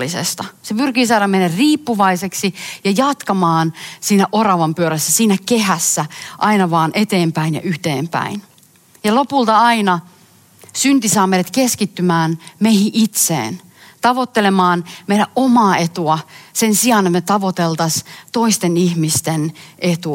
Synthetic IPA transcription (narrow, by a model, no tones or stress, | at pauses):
isḛst̪ɑsepyrkiːsɑːɾɑmenːærriːpːuʋɑiseksijɑjɑt̪kɑmɑːnsiːnæʔorɑʋɑmpyøɾæsːæsiːnækehæsːæʔɑinɑʋɑːnʔet̪eːmpæinjɑ̰ʔyht̪eːmpæ̰in | jɑlopult̪ɑɑinɑ | synt̪isɑːmejɾlæt̪keskit̪ːymæːnmeihiʔit̪sḛːn | t̪ɑʋot̪ːelemɑːnmeiɾæʔʔomɑːet̪uɑsensiɑnet̪met̪ɑʋot̪elt̪ɑst̪oist̪enihmist̪enʔet̪u